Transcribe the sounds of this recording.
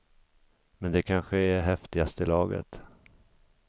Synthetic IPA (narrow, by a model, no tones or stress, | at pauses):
mɛnd̪ɛkʰanɧəɛɦɛft̪ɪɡast̪əɪlɑːɡə̰t̪